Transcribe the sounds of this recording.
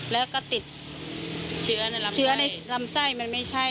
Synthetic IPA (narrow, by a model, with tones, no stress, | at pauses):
lɛː˨˦kɔ˧˥t̪i˨˩t̚ | t͡ɕɨ˧˦˧t͡ɕɯ˧˦əna˧˩jla˨˧˩msa˧˩jma˨˩nma˧˩jsa˧˩